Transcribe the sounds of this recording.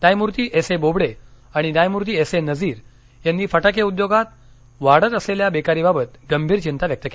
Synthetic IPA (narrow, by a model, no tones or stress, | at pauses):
najmuɾt̪iːʔesebobɽe | aɽ̃inajmuɾt̪iːesenəd͡ziːɾ | janːiːfəʈakeud̪joɡat̪̚ | ʋaɽət̪əsleljabekaɾiːbabət̪ɡəmbʱiːɾt͡ɕint̪aʋjək̚t̪əke